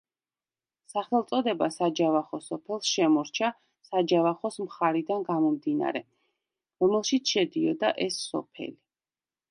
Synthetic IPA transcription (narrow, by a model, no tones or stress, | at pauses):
saχɛlˠt̪sʼɔd̪ɛbasad͡ʒavaχɔsɔpʰɛlˠsʃɛmɔɾt͡ʃʰa | sad͡ʒavaχɔsmχaɾid̪anɡamɔmd̪ina̰ɾɛ | ɾɔmɛlˠʃit̪sʰʃɛd̪iɔd̪aʔɛsːɔ̰pʰɛ̰li